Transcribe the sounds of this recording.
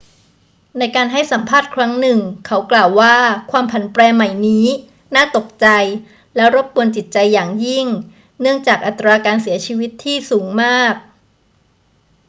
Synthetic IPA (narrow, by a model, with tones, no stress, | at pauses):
na˧jkaː˧nɦa˥˩jsa˩˦mpʰaː˥˩t̪̚kʰɾa˦˥ŋnɯ˨˩ŋkʰa˦˥wklaː˨˩wːaː˥˩kʰwaː˧mpʰa˨˩˦npɾɛː˧ma˨˩jniː˦˥ | naː˥˩t̪o˨˩k̚t͡ɕa˧j | lɛ˦˥wɾo˦˥p̚pu˧ənt͡ɕi˨˩t̪̚t͡ɕa˧jːaː˨˩ŋji˥˩ŋ | nɯ˥˩əŋt͡ɕaː˨˩k̚ʔa˨˩t̪ːɾaː˧kaː˧nsi˩˦ɐt͡ɕʰiː˧wi˦˥t̪ʰːiː˥˩suː˩˦ŋmaː˥˩k̚